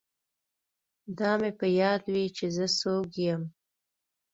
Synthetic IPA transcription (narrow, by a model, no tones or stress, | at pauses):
d̪ɑmepəjɑd̪wit͡ʃezəsoɡjəm